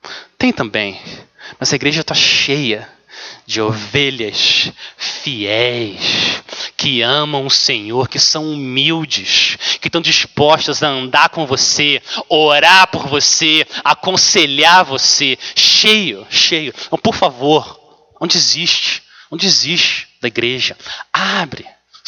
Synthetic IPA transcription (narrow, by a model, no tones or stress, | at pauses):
t̪ẽj̃t̪ɐ̃bḛ̃j̃mɐzɐiɡɾeʒɐt̪aʃejɐ | d͡ʒɪoveʎɐs | fiɛjskʰɪɐ̃mɐ̃w̃ʊsẽɲoɾkɪsɐ̃w̃umiwd͡ʒɪskɪʃt̪ɐ̃w̃d͡ʒispɔʃt̪ɐzɐɐ̃nd̪aɾkõvoseoɾaɾpoɾvoseakõseʎaɾvoseʃejʊʃejʊɐ̃poɾfavoɾ | õnd͡ʒɪiziʃt͡ʃɪ̥ | õnd͡ʒɪiziʃt͡ʃɪ̥d̪ɐiɡɾeʒɐabɾɪ